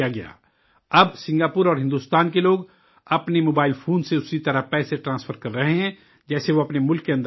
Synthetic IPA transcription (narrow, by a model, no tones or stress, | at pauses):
aɡɐja̰ː | ɐbsɪ̃ŋɡaːpʊɾɔːɾɦɪ̃nd̪uːst̪aːnkeloːɡ | ɐpnemoːbaːɪlpʰoːnseʊsit̪ɐɾəpɛːseʈɾãːsfəɾkɐɾːɐɦeɦɛ̃ | d͡ʒɛːseʋoɐpnemʊlkːeɐ̃nd̪